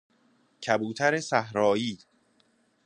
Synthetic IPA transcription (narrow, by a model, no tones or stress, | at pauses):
cʰæbuːt̪ʰæɾesæɦɾɒːjiː